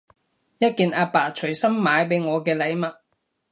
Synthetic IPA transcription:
jɐ˥t̚kiː˨˧naː˧paː˨˩t͡ʃʰɵ˨˩ɥsɐ˥mːaː˨˧jpe˨˥jŋɔː˨˧kɛː˧lɐ˨˧jmɐ˨t̚

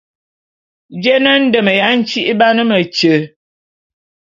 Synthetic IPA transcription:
d͡ʒɛ˦nə˦n̩˦də˨mə˨ja˨˦n̩˦t͡ʃi˦ʔba˦nə˦mə˨t͡ʃə˨

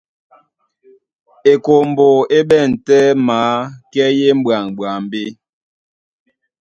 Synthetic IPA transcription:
e˨ko˨m̩˨bo˨e˦ɓɛ˦˨n̩˨tɛ˦maː˦˨˦kɛ˦je˦m̩˦bɰa˨ŋ˨bwa˨m˦be˦

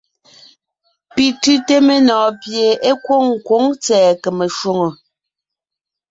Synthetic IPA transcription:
pi˨tʉ˦te˦me˨nɔː˨pje˨e˦kwo˦˨ŋ̩˨kwo˨˦ŋt͡sɛː˨ke˨me˨ʃwo˦ŋo˨

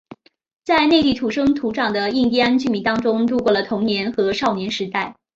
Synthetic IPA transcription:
t͡sa˥˧ɪne˥˧t̪i˥˩t̪ʰu˧˥˩ʂɤ˥ŋt̪ʰu˧˥ʈ͡ʂɑ˨˩ŋd̪ə˦i˥˧ŋt̪̬i˥a˥nt͡ɕy˥˩mi˧˥nt̪ɑ˥ŋʈ͡ʂʊ˥ŋt̪u˥˧kwɔ˥˩lə˩t̪ʰʊ˧˥ŋnjɛ˧˥nxɤ˧˥ʂɑ˥˩ʊnjɛ˧˥nʂɻ̩˧˥t̪a˥˩ɪ

